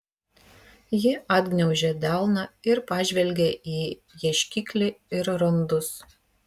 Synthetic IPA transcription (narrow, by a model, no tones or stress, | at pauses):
jɪʔɐd̪ʲɡnʲɛʊʒʲɛd̪ʲæˑlˠnɑɪɾpɑːʒʲʋʲɛlʲɡʲeʔiː | jɛʃʲkʲikʲlʲɪɪɾɾɔnd̪ʊs